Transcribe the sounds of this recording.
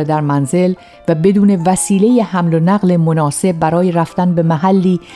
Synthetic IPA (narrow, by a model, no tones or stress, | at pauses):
ed̪æɾmænze̞l | væbe̞d̪uːne̞væsiːle̞jehæmlonæɣle̞monɒːse̞b̚ːæɾɒːjeɾæft̪ænbe̞mæɦælːiː